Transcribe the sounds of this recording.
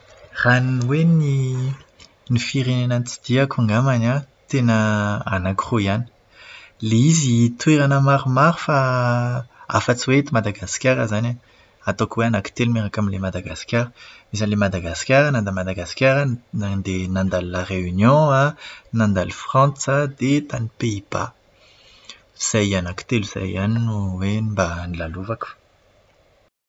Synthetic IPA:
raninweni | nifiɾenenant͡si̥d̪̥iakuŋɡamaɲa | t̪enəa̰nakʁoiani̥ | leizit̪ueɾanamaɾumaɾifa | a̰fət͡siwet̪imad̪aɡaskʲaɾəzana | at̪okweanaki̥t̪elmeʁakaminlemad̪aɡaskʲjaɾəmisanlemad̪aɡaskʲjaɾanãnd̪amad̪aɡaskʲjaɾaad̪enãnd̪allaʁeynjɔ̃anãnd̪alufʁɑ̃t͡sad̪et̪anipeiba̰ | iz̥ajanaki̥t̪eluiz̥a̰janinuwembanilaluvaku̥

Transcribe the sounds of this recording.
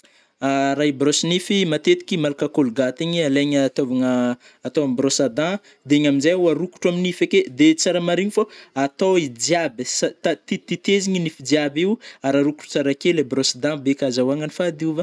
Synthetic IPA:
aɾabrosinifimat̪et̪i̥kʲimalakakolɡat̪iɲialeɲət̪ovaŋəː | t̪oambrosad̪ã | d̪eɲaminzajuaɾuku̥ʈ͡ʂaminifeked̪et͡saɾamaɾiɲifaat̪oid͡ʒjabəsat̪at̪it̪it̪eziɲinifid͡ʒjabiwaɾaɾuku̥ʈ͡ʂu̥t͡saɾakelebrosad̪ãbekʲazawaŋanifad̪iuva

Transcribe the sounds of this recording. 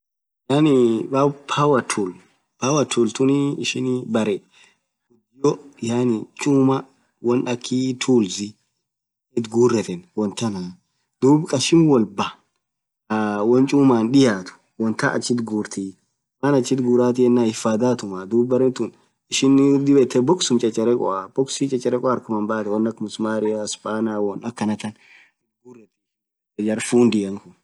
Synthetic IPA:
jaːnɪbabpʰawɐt̪ʰul | pawɐt̪ʰult̪ʊnɪɪʃɪnbɐɾɛ | ɡʊd̪ɪjɔjanɪt͡ʃʼuːmɐ | wɔnɐkʰːiːt̪ʰuːlzɪ | ɪt̪ɡuːrːɛt̪ɛnwɔnt̪ɐna | d̪̥uːbkʼɐʃɪnwɔlbɐ | wɔnt͡ʃʼuːmaːnᶑɪjaːt̪ʊ̥ | wɔnt̪aʔɐ̰t͡ʃːɪt̪ɡuːɾt̪ʰiː | manɐt͡ʃːɪt̪ɡuːɾaːt̪ɪɛnːaːɪfaːd̪aːt̪ʊmad̪uːbːɐɾɛnt̪un | ɪʃɪnd̪ɪbɛt̪ʰːɛbɔksʊmt͡ʃʼɐt͡ʃʼːɛɾɛkʼɔ̰ab̥ɔksit͡ʃʼɐt͡ʃʼːɛɾɛkʼɔɐɾkʊmɐmbaːt̪ɛwɔnːɐkmʊsmaːɾɪaspaːnɪawɔnɐkːɐnɐt̪ɐn | ɪt̪ɡuːrɛt̪ɛ | d͡ʒɐd͡ʒɐɾfuːnd̪ɪjɐŋkʊn

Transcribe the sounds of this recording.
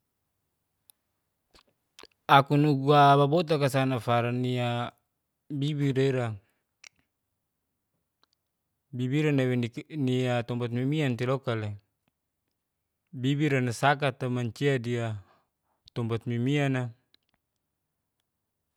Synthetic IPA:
akunuɡuababot̪̬akasanafaɾania | bibiɾeɾa | bibiɾanaweniat̪ɔmbat̪̚mimiant̪ilɔkale | bibiɾanasakat̪amaɲt͡ʃiadia | t̪ɔmbat̪̚mimiana

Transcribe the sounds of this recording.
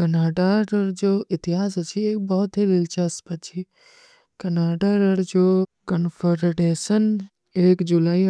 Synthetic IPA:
kənaːɖaɾəɾd͡ʒoʔɪt̪ɪɦaːs̬ɦət͡ʃʰieːk̚bɔɦt̪ɦiɾɪlt͡ʃəspət͡ʃʰi | kənaːɖaɾəɾd͡ʒokənfʰəɾɖeʃən | eːkd͡ʒulaːi

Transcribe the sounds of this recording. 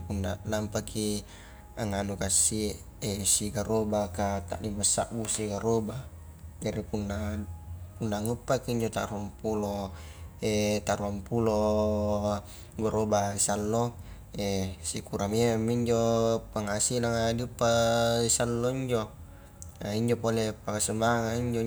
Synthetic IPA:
punːa̰lampakʰi | aŋanukasi | esiɡaɾobakat̪a̰ʔdimasːa̰ʔbusiɡaɾoba | d͡ʒaɾipunːa | punːaŋupːakiːɲd͡ʒot̪a̰ɾuampulo | et̪aɾuampulo | ɡoɾobaisalːo | esikuɾamemːiɲd͡ʒopaŋasilaŋadiupːaisalːoiɲd͡ʒo | aiɲd͡ʒopolepakasəmbaŋaiɲd͡ʒo

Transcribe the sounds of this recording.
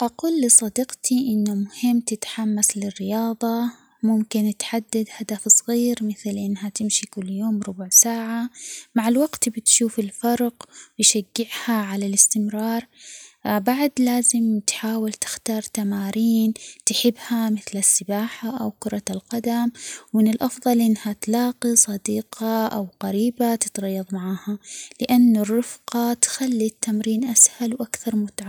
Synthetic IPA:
ʔaquːlːɪsˤɑd̪ɪqt̪iʔɪnːʊmʊhɪmːt̪ɪt̪ħamːaslɪrːɪjɑːðˤɑ | mʊmkɪnɪt̪ħad̪ːad̪had̪afsˤɣiːɾmɪθlʔɪnːɦat̪ɪmʃikʊlːjoːmɾʊbʊʕsaːʕamaʕɪlwaɡt̪bɪt̪ʃuːfɪlfɑɾˤqwɪjʃaɡːɪʕhaʕalalɪst̪ɪmɾɑːɾˤ | baʕd̪laːzɪmt̪ħaːwalt̪ɪ̥xt̪ɑːɾˤt̪amaːɾiːnt̪ħɪbːhamɪθlasːɪbaːħaʔawkʊɾˤɑlqad̪amwmɪnɪlʔɑfðˤɑlʔɪnːhat̪lɑːqisˤɑd̪iːqɑʔawqaɾiːbat̪ɪ̥t̪ɣɑjːɑðˤmaʕaːhalɪʔanːarːʊfqɑt̪xalːit̪ʰːamɾiːnʔashalwʔakθɑɾˤmʊt̪ʕa

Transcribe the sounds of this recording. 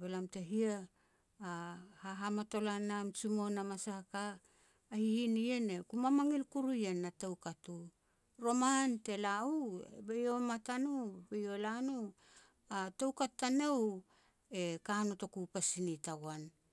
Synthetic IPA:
belamteɦiaː | haɦamato̞lanamt͡ʃumo̞namasakaː | hiinienekumamaŋilkuɾujenːatewkatu | ɾo̞mante̞lauebejomatanubejolanu | atewkatːanew | e̞kanoto̞kupasinitaɡwan

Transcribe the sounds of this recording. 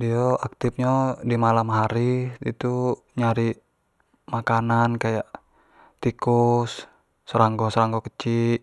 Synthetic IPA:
diɔak̚t̪ip̚ɲodimalamɦaɾiit̪u | ɲaɾi | makanankajaʔ | t̪ikusː | əɾaŋɡɔsəɾaŋɡɔkət͡ʃiʔ

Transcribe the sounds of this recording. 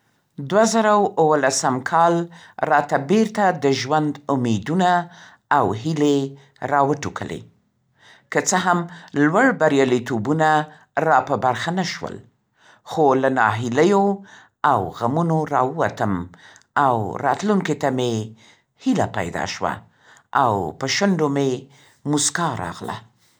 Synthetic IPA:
d̪wazaɾawwəlasamkʰɑlɾɑt̪abeɾt̪ad̪əʒwand̪ʊmed̪una | awɦile | ɾɑwəʈukʰəlḛ | kət͡səɦamlwaɽbaɾjɑlit̪obuna | ɾɑpəbaɾxanaʃwə̰l | xolanɑɦɪləjo | awɣamunoɾɑəwat̪əmawɾɑ̰t̪luŋket̪ame | hilapa̰jd̪ɑ̰ʃwa̰ | ʔawpəʃənɖome | muskɑɾɑ̰ɣla̰

